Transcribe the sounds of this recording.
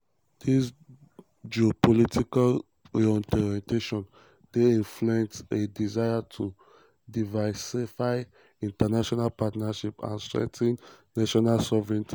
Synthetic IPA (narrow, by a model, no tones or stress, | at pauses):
d̥is | d͡ʒiopʰɔlitʰikal | ɹiɔ̃ntɔɾiɛ̃nteʃɔ̃n | d̥eĩnfluɛ̃ntedizajatʰu | divasifaɪ | ĩntanaʃɔnalpatnaʃipã̰nstɹɛ̰tʰĩnː | aʃɔnalsɔvɹɛ̃nt